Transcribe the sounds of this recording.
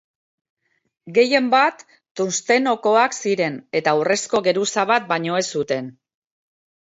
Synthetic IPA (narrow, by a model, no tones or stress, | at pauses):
ɡe̞je̞mbat̪ː | unst̪e̞no̞ko̞aksiɾe̞ne̞t̪aure̞sko̞ɣe̞ɾusaβ̞at̪̚baɲo̞e̞sːut̪e̞n